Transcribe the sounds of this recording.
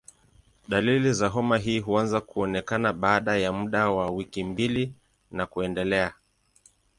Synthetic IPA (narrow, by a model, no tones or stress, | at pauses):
ɗalilizaɦɔmaɦiːɦuanzakuɔnɛkanaɓaːɗajamuɗawawikimbili | nakuɛndɛlɛa